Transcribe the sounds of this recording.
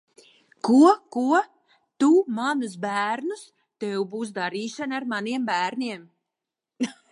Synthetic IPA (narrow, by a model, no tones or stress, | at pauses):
kuɔkuɔ | t̪umanus̬bæːɾnus | t̪ɛwbuːs̬d̪aɾiːʃanaɾmaniɛmbæːɾnʲiɛm